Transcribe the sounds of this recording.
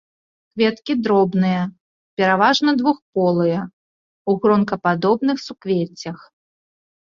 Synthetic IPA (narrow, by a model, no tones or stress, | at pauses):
kvʲɛt̪kʲid̪ɾɔbnɨjɐ | pʲɛɾavaʐnɐd̪vuxpɔlˠɨjɐ | uɣɾɔnkɐpad̪ɔbnɨxsukvʲet͡sʲːɐx